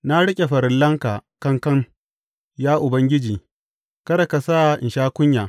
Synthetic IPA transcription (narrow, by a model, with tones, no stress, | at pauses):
na˦ɽɪ˦kʲʼe˨ɸɐ˨ɾɪ˦nlɐ˦ŋkaː˨kɐ˦ŋkɐ˦ŋ | jaː˦ʔʊ˨bɐ˦ŋɡʲɪ˦d͡ʒiː˨ | kɐ˦ɾa˨ka˨saː˦˨ʔɪ̰˨nʃaː˦kʷʊ˦ɲjaː˨